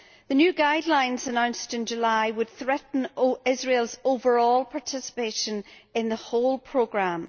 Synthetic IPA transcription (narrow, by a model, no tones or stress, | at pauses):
ðənjʉːɡaɪdˡlãɪ̃nzənãʊ̃nstɪ̃nd͡ʒəlaɪwəd̪̥̚θɹɛʔn̩oɪzɹelˠzovə˞ɔlˠpʰaɹtʰɪsɪ̥peʃə̃nɪ̃nðəholˠpʰɹ̥oɡɹãm